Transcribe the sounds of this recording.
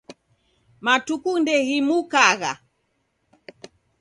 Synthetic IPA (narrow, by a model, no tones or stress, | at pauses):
matukundɛɣimukaɣa̰